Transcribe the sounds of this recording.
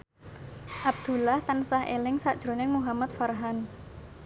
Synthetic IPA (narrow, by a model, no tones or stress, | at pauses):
ʔab̚d̪̥ulaht̪ansaɦʔḛlɪŋsa̰ʔd̥ʒ̥ɾo̤nɪŋmuɦamat̪̚farɦan